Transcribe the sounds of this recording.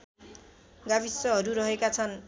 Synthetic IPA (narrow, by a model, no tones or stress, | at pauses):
ɡabʱisːʌɦʌɾuɾʌɦekat͡sʰʌn